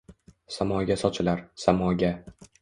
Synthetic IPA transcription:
samɒɡʲasɒt͡ʃʰɪlaɾsamɒɡʲa

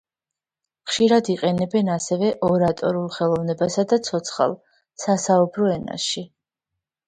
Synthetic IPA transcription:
χʃiɾad̪iqʼɛnɛbɛnasɛvɛʔɔɾat̪ʼɔɾulˠχɛlˠɔvnɛbasad̪at̪sʰɔt̪sʰχa̰lˠ | sasaubɾɔɛna̰ʃi

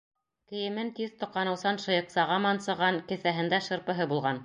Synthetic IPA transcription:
kɘ̆jɘ̆mɘnt̪iðt̪ŏqːɑnɤ̆wsɑnʃɤ̆jɤ̆qsɑʁɑmɑnsɤ̆ʁɑnkɘ̆θæɦɘ̆nd̪æʃɤ̆ɾpɤ̆ɦɤbulˠʁɑn

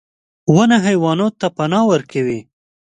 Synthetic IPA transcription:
wənaɦajwɑnot̪apanɑwəɾkawi

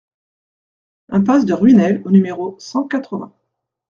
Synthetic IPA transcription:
ɛ̃pasd̪əʁɥinɛlonymeʁosɑ̃kat̪χəvɛ̃

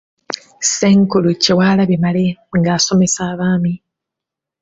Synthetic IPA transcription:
seŋkuluciwaːlaβimaleŋɡaːso̞me̞saːβaːmi

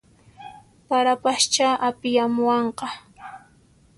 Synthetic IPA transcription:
paɾapaʃt͡ʃaʔapɪjamʊwɑɴqɑ

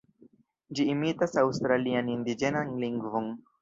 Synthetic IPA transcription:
d͡ʒiːmitasawst̪ɾalianind̪id͡ʒe̞nanliŋɡvon

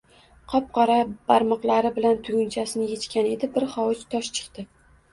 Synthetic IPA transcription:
qʰɒp̚qʰɒɾab̥aɾmɒqlˠaɾɪbɪlant̪ʰʊɡʲʊnt͡ʃʰasɪnɪjet͡ʃkʲane̞d̪ɪbɪɾχɒwɪt͡ʃt̪ʰɒʃt͡ʃʰɨ̥qt̪ɪ

